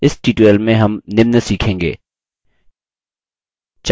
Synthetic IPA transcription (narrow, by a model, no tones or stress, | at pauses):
ɪsʈiːʈwelmẽɦɐmnɪmnəsiːkʰẽːŋɡḛː | t͡ʃ